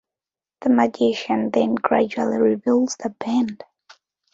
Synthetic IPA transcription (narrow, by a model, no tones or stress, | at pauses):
ðəmɨd͡ʒɪʃɨ̃nðɨ̃nɡɹæ̰d͡ʒuəl̩ˠiɹibɪlˠz̥ðəbæ̃nd̥